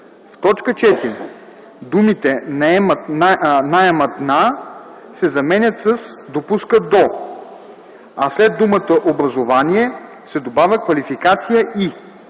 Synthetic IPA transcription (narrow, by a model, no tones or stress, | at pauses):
ft̪ɔt͡ʃkət͡ʃɛt̪iɾʲ | d̪umit̪ɛn | naɛmɐt̪na | sɛzɐmɛnʲət̪səsd̪opuskəd̪ɔ | aslɛd̪̚ːumət̪əʔobɾɐzovaniɛ | sɛd̪obavʲəkvɐlifikat̪sijəʔi